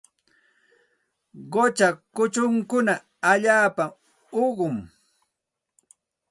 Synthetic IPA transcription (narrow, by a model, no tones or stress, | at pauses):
ɢot͡ʃakʊt͡ʃʊŋkʊna | aʎaːpa | oɢʊm